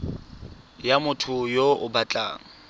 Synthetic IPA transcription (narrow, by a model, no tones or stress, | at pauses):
jamʊtʰʊjoʊbat͡ɬʼa̰ːŋ̩